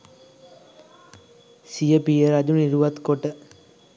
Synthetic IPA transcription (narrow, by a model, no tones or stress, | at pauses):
sijəpijəɾad͡ʒuniɾuʋat̪koʈə